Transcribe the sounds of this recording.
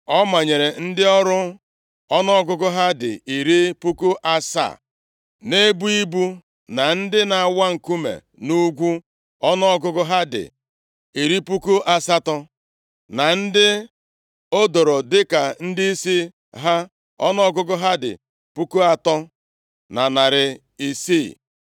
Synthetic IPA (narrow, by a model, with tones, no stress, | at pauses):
ɔ˦ma˨ɲe˨ɾe˨n̩˦dɪ˦ɔ˦ɾʊ˦ | ɔ˦nɔ˦ɔ˦ɡʊ˦ɡʊ˦ɦa˦dɪ̰˨i˨ɾi˦pu˦kʊ˦ʔa˦sa̰˦˨ | ne˦bu˦i˦bu˦ | na˨n̩˦dɪ˦na˨a˨wa˦ŋ̩˨ku˦mḛ˨ | nu˦ɡʷu˦ | ɔ˦nɔ˦ɔ˦ɡʊ˦ɡʊ˦ɦa˦dɪ̰˨ | i˨ɾi˦pu˦ku˦ʔa˨sa˦tɔ˦ | na˨n̩˦dɪ˦ | o˦do˨ɾɔ˨dɪ˦ka˨n̩˦dɪ˦i˦si˦ | ɦa˦ | ɔ̰˦nɔ˦ɡʊ˦ɡʊ˦ɦa˦dɪ̰˨ | pu˦ku˦a˨tɔ˦ | na˨na˨ɾɪ˨ | i˨siː˦˨